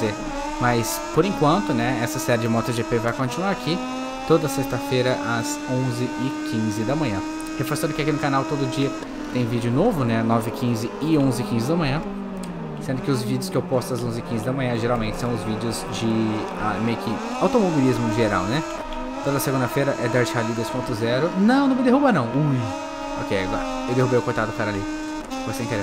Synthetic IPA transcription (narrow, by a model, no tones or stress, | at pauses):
e | mɐs | poɾẽkwɐ̃nt̪ʊnɛɛsɐsɛɾɪd͡ʒɪmɔt̪ʊʒepevajkõt͡ʃinuaɾakʰi | t̪od̪ɐsest̪ɐfejɾɐʔɐzõzɪʔɪkʰĩzɪd̪ɐmɐ̃ɲɐ̃ | hefoɾsɐ̃nd̪ʊkɪakinʊkanawt̪od̪ʊd͡ʒiɐ | t̪ẽj̃vid͡ʒɪʊnovʊnɛnɔvɪkʰĩzɪɪõzɪkĩzɪd̪ɐmɐ̃ɲ̃ɐ̃ | sẽnd̪ʊkɪʊzvid͡ʒɪʊskɪewpɔst̪ʊɐzõzɪkĩzɪd̪ɐmɐ̃ɲɐ̃ʒeɾawmẽt͡ʃɪsɐ̃w̃ʊzvid͡ʒʊzd͡ʒɪ | amejʊkɪ | awt̪omobilizmʊʒeɾa̰wnɛ | t̪od̪ɐɐseɡũnd̪ɐfejɾɐʔɛd̪aɾt͡ʃɪɦalid̪ojspõnt̪ʊzɛɾʊnɐ̃w̃nɐ̃mɪd̪eɦubɐnɐ̃w̃uj | o̰kejaɡɔ̰ɾɐ | ewd̪ehubejʊkojt̪ad̪ʊpaɾɐli | vosẽkɛɾ̃